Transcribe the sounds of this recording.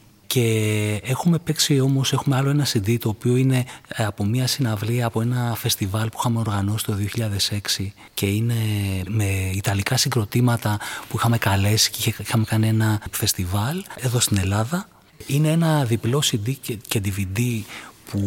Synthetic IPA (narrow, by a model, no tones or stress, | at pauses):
ce̞exume̞pe̞ksio̞mo̞se̞xume̞ɐlo̞enɐsind̪it̪o̞ːpio̞ine̞ɐpo̞miɐsinɐvliɐːpo̞e̞nɐfe̞st̪ivɐlpuixɐme̞o̞ɾɣɐno̞si̥t̪o̞ðioçiʎɐðe̞se̞ksi | ce̞ine̞me̞it̪ɐlikɐsiŋɡɾo̞t̪imɐt̪ɐpuixɐme̞kɐle̞si̥ciixɐme̞kɐnie̞nɐfe̞st̪ivɐleðo̞st̪ine̞lɐðɐ | ine̞enɐðiplo̞sid̪iced̪ivid̪ipu